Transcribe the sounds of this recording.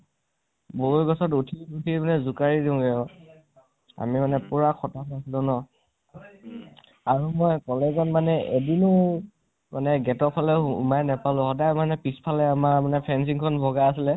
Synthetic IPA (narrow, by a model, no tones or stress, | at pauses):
boujɡɔsɔtutʰiutʰimanɛzukaɹidiʊ̃ɡɛjɔ | a̰mimanɛpuɹakʰɔtatasilɔnɔ | aɹumɔjkɔlɛzɔnmanɛʔedinʊ | manɛɡɛtɔpʰalɛ̰majnɛpalʊ̃xɔdajmanɛpispʰalɛamaɹmanɛpʰɛns̬iŋkʰɔnbʱɔɡaasilɛ